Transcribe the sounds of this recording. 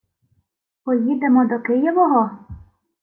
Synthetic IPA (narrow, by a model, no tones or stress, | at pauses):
pɔjid̪emɔd̪ɔkɪjɔʋɔɦɔ